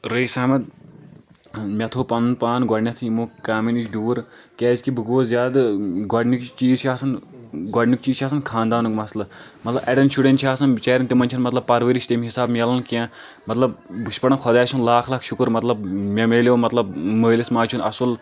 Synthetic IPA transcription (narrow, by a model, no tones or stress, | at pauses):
ɾeːsaːmɐt̪̚ | mʲɐt̪ʰoːpɐnnpaːnɡɔɖnʲɐt̪ʰɨimoːkaːminit͡ʃʰɖuːɾkʲɛːzʲkibɨɡʋoːzʲjaːd̪ɡɔɖnikt͡ʃiːzʃaːsɐnɡɔɖnʲuk̚t͡ʃiːʃaːsɐnkʰãːnd̪aːnɨkmɐslɐmɐt̪lɐbɐɖɐnsʃuɖenʈʃʰaːsɐnt͡ʃɐːɾɐnt̪imɐnʲt͡ʃʰɐnmɐt̪lɐbpɐɾʋəɾiʃʲt̪emiɦisaːbmʲelɐnkãː | mɐt̪lɐb̚bɨʃpɐɽɐnkʰɔd̪aːsʰunlaːkʰlaːkʰʃukɾmɐt̪lɐbmʲɐmeːlʲoːmɐt̪lɐb̚məːlismaːt͡ʃʰunɐsɐl